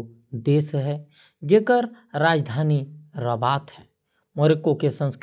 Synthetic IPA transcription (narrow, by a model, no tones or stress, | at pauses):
d̪eːsɦɛ | d͡ʒeːkəɾɾaːd͡ʒd̪ʱaːniɾəbaːt̪ɦɛː | moɾekõkesə̃nsk